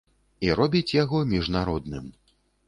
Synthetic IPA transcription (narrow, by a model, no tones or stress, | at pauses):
iɾɔbʲit͡sʲjaɣɔmʲiʐnaɾɔd̪nɨm